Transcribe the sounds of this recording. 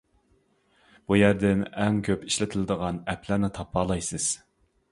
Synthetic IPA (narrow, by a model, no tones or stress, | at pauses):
b̥ujæɾd̪ɪnɛŋkʲʰøpiʃlɪt̪ʰɪlɪd̪əʁɑnɛpʰlæɾnɪt̪ʰɑpʰːɑːlˠɑjsɨz̥